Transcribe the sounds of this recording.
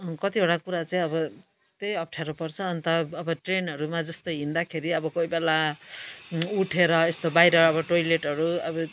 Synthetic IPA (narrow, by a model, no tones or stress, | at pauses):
kʌt̪ioɽakuɾat͡saĩʌbʌ | t̪ejʌp̚ʈʰjaɾopʌrt͡sʰʌːnt̪ʌːbʌʈrenʌɾumad͡zʌst̪oɦind̪akʰeɾiʌbʌkoibela | uʈʰeɾʌest̪obajɾʌːbʌʈojleʈɦʌɾuʌbʌ